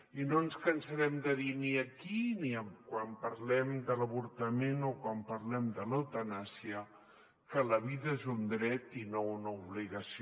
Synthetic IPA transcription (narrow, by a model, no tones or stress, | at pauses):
inoənskənsəɾɛmd̪əðiniəkiniəmkwampəɾlɛmd̪ələβuɾt̪əmenokwampəɾlɛmd̪ələwt̪ənasiə | kələβ̞iðəezund̪ɾɛt̪inounəuβliɣəsi